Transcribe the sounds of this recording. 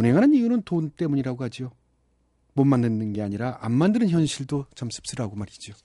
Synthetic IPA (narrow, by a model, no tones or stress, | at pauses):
unɦe̞ŋɦanɯnijunɯntont͈e̞muɲiɾaɡohad͡ʑio | mʌnmanːɯnːɯnɡe̞aɲiɾaʔamːandɯɾɯnçjʌnɕʰiɭdot͡ɕamsʰɯ̥p̚s͈ɯɾaɡomaɾid͡ʑo